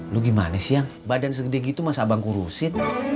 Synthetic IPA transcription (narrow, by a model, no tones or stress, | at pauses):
luɡima̰nasijaŋbadans̬əkədaɡit̪umasabaŋkuɾusɪn